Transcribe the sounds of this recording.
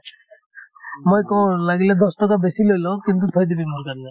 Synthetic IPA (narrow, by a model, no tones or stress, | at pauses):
mojkɔwlaɡiled̪ɔst̪ɔkabesilojlɔ̃kint̪̬ukʰɔjd̪ibimuɾkaɾna